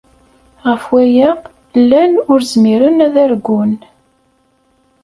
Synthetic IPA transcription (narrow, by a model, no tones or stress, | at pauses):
ʁəfwæjæ | lːænʊɾzmiɾənæðæɾɡʷːʊn